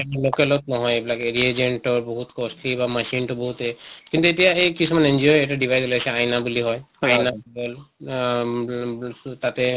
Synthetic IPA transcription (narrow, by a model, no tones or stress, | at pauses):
ɛɛlokɛlɔt̚nɔɦɔjebilakeɹied͡ʒeɳʈɔɹboɦutkɔstʰibamasintɔbɔɦutɛkint̪uetijaejkisɔmanɛnd͡ʒɔjɛtaɖibʱajzɔlajsɛajnabuliɦɔjajnakbɔl | tatɛ